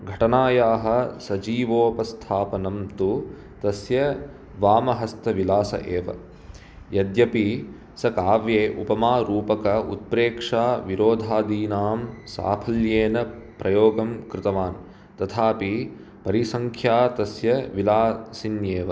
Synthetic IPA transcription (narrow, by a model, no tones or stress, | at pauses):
ɡʱɐʈɐnaːjaːɦɐ̆sɐd͡ʒiːʋoːpɐst̪ʰaːpɐnɐmt̪u | t̪ɐsjɐ | ʋaːmɐɦɐst̪ʰɐʋilaːsɐ̰ʔeːʋɐ̰ | jɐd̪jɐpi | sɐkaːʋjeːʔupɐmaːɾuːpɐkɐut̪̚pɾeːkʂaːʋiɾoːd̪ʱaːd̪iːnaːmsa̰ːpʰɐljeːnɐpɾʔɐjoːɡɐmkɾɪt̪ɐʋaːn | t̪ɐt̪ʰaːpi | pɐɾisɐŋkʰjaːt̪ɐsjɐʋilaːsinjeːʋɐ